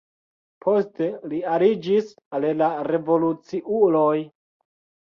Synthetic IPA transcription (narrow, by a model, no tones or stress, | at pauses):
pʰo̞ste̞liaɾid͡ʒis | allaɾe̞vo̞lut͡siʔulo̞j